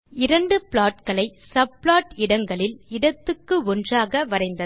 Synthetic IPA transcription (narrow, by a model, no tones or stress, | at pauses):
ɪɾɐɳɖɯpɭaːʈkɐɭɐɪsɐb̚ːɭaːʈɪɽɐŋɡɐɭɪlɪɽɐt̪ːɯkːɯɔndraːɣɐʋɐɾɐɪnd̪ɐ